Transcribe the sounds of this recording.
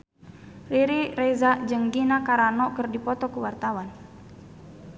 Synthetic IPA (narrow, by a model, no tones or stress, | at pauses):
riɾiɾɛzaʔd͡ʒəŋɡinakaɾanɔkərdipɔt̪ɔkuwart̪awan